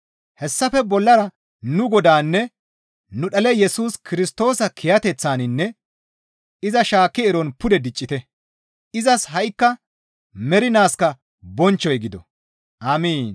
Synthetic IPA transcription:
hɛsːɐfɛbɔlːɐɾɐ | nʊɡɔd̪aːnːɛ | nʊɗɐlɛjɛsuːskɪɾɪst̪o̞ːsɐkʰɪjɐt̪ɛt͡sːaːnɪnːɛ | ɪzɐʃaːkːɪɛɾɔnpʊd̪ɛd̪ɪt͡ʃʼːɪt̪ɛ | ɪzɐsɦɐjkːɐ | mɛɾɪnaːskɐ | bɔnt͡ʃːɔjɡɪd̪ɔ̰ | ʔaːmiːn

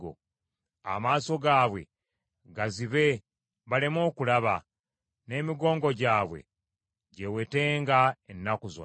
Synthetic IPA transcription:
o̰ | a̰maːso̞ɡaːβwe̞̰ | ɡaziβe̞ | βalemo̞ːkulaβa | ne̞ːmiɡo̞ːŋɡo̞ɟaːβwe̞̰ | ɟewe̞te̞ːŋɡaenːakuzo̰

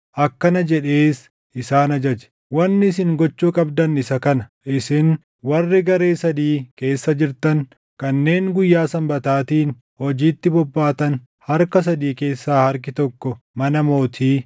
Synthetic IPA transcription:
ʔɐkːɐnɐd͡ʒɛᶑeːs | ɪsaːnɐd͡ʒɐd͡ʒɛ̥ | wɐnːɪɪs̬ɪŋɡɔt͡ʃːuːkʼɐbd̪ɐnɪsɐkɐnɐʔɪsɪŋ | wɐrːɪɡɐɾe̞ːsɐd̪iːke̞ːsːɐd͡ʒɪɾt̪ɐn | kɐnːe̞ːŋɡʊjːaːsɐmbɐt̪aːt̪iːn | hɔd͡ʒiːt̪ːɪbɔbːaːt̪ɐn | hɐɾkɐs̬ɐd̪iːke̞ːsːaːhɐɾk̬ɪt̪ɔkːɔ | mɐnɐmo̞ːt̪ʰiː

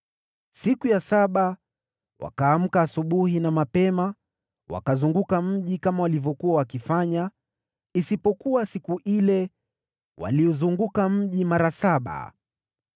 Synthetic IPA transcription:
sikujasaɓa | wa̰kaːm̩kaːsuɓuhinamapɛma | wa̰kazuŋɡukam̩ʄikamawalivɔkuawakifaɲa | isipɔkuwasikuʔilɛ | wa̰liuzuŋɡukam̩ʄimaɾasaɓa̰

